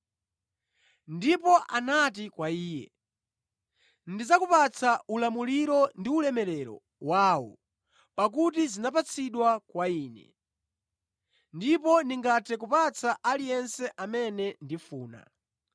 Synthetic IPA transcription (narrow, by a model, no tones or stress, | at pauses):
ndipɔʔanat̬ikwaiːjɛ̰ | ndid͡zakupat͡sʰaulamuliɾɔndiulɛmɛlɛɾɔ̰ | waːwɔ̰ | pak̬ut̬izinap̬at͡sʰiɗwakwaiːnɛ̰ | ndipɔndiŋɡatʰɛk̬upat͡sʰaʔalijɛnsɛʔamɛnɛndifuːna̰